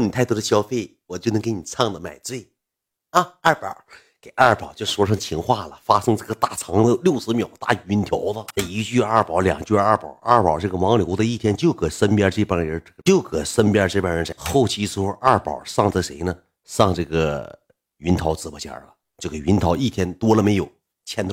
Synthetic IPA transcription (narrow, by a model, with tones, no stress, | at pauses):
ni˨t̪ʰa˥˩ɪt̪wɔ˥d̪ə˧ɕjɑ˥ʊfe˥˩ɪwɔ˨˩t͡ɕjo˥˩ʊn˧˥ŋke˧˥ni˨˩t͡sʰɑ˥˩ŋd̪ə˨ma̰˨˩ɪt͡swe˥˩ɪ | ɐ˧a˞˥˩pə̰˨˩˦ | ke˨˩ɪʔɐ˞˥˩pɑ˨˩ʊt͡ɕjo˥˧ʊʂʂwɔ˥ʂʰɤ˧˥ŋt͡ɕʰi˧˥ŋxwa˥˩lə˩fa˥ʂɤ˥ŋʈ͡ʂɤ˥˩ɡə˩t̪a˥˩t͡sʰɑ˧˥ŋd̪ə˧ljo˥˩ʊsɹ̩˧˥mjɑ˨˩ʊt̪a˥˩˧y˧˥nt̪ʰjɑ˧˥ʊlə˧˩i˧˥t͡ɕy˥˧a˞˥˩pɑ˧˥ʊljɑ̰˨˩ŋt͡ɕyː˞˥˧˥pɑ̰˨˩˥ʔɐ˞˥˩pə̰˨˩ʈ͡ʂɤ˥˩ɡə˩wɑ˧˥ŋljo˧˥ʊd̪ə˧i˥˩t̪ʰjɛ˥nt͡ɕjo˥˩ʊkɤ˨˩sə˥npja˥ʈ͡ʂɤ˥˩pə˥˧˥ɤ˥˩ɡə˧t͡ɕjo˥˩ʊkə˨˩sə˥npja˥ʈ͡ʂɤ˥˩pə˨˩nɻə˧˥nʈ͡ʂa˧˥xo˥˧ʊt͡ɕʰi˥sɹ̩˥˧˥xu˥˧ʔa˞˥˩pɑ̰˨˩sɑ˥˩ŋt͡sə˧˩ʂe˧˥ɪnə˧ | sɑ˥˧ŋʈ͡ʂɤ˥˩ɡə˩ | y˧˥nt̪ʰɑ˧˥ʊt͡sɹ̩˧˩pə˧˩t͡ɕjɑ̰˥˩lə̰˩ | t͡ɕjo˥˩ʊke˨˩ɥnt̪ʰɑ˧˥ʊi˥˩t̪ʰjɛ˥nt̪wɔ˥lə˨me˧˥ɪjo˨˩˦ʊ | t͡ɕʰjɛ˥nt̪ʰ